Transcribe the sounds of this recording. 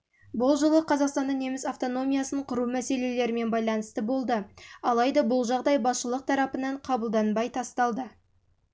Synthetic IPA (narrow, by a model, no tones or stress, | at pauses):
bʊlˠʒəlˠəqʰɑzɑqst̪ɑnd̪ɑne̞mɪsaft̪o̞no̞mʲijasəɴqʰʊɾumæse̞le̞le̞ɾɪme̞nbɑjlˠɑnəst̪əbo̞lˠd̪əɑlˠɑjd̪ɑbʊlˠʒɑʁd̪ɑjbɑsʃəlˠəq̚t̪ʰɑɾɑpənɑɴqʰɑbəlˠd̪ɑnbɑjt̪ʰɑst̪ɑlˠd̪ə